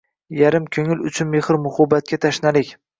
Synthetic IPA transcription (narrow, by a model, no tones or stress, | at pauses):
jaɾɪmkʲʰɵŋɪlʊ̰t͡ʃʰʊnmehɪɾmʊhʊbat̪̚kʲʰat̪ʰaʃnalɪkʲ